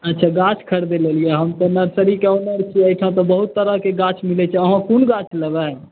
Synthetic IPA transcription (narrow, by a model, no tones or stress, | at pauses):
ətːt͡ʃʰaɡat͡ʃʰkʰəɾd̪elelijeɦəmt̪ɔnəɾsəɾikeonəɾt͡ʃʰiəjʈʰãt̪ɔbəɦut̪ːəɾəɦkeɡat͡ʃʰmilɛt͡ʃʰɛəɦãkunɡat͡ʃʰləba